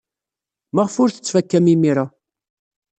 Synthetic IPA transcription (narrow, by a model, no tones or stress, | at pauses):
məʁəfʊɾθə̥t͡sːfækːæmimiɾa